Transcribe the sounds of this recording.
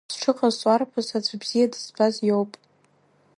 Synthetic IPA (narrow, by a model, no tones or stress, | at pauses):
sʈ͡ʂʰɨqʼazt͡sʷʼarpʰazad͡zʷbz̥ijadɨzbazjo̞wpʼ